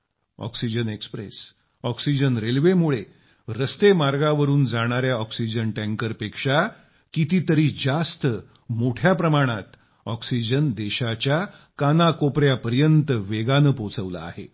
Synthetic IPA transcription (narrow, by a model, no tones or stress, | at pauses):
ɔ̰ksid͡ʑənekspɾḛs | ɔksid͡ʑənɾelʋemuɭe | ɾəst̪emaɾɡaʋəɾuːnd͡zaɽ̃aɾjaɔksid͡ʑənʈæ̃ŋkəɾpekʂa | kit̪iːt̪əɾiːd͡zast̪ə | moʈʰjapɾəmaɽ̃at̪ | ɔksid͡ʑənd̪eɕat͡ɕja | kanakopɾjapəɾjənt̪əʋeɡanəpot͡səʋla̰ːɦḛ